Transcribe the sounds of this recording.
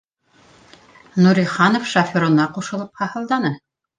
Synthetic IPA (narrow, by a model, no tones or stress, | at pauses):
nuɾʲiχɑnofʃɐfʲoɾŏnɑquʃɤ̆lˠɤp̚hɑhɤ̆lˠd̪ɑnɤ